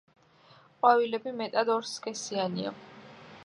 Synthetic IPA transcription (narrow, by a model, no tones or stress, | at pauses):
qʼwavilɛbimɛt̪ʼad̪ɔɾskʼɛsianḭa̰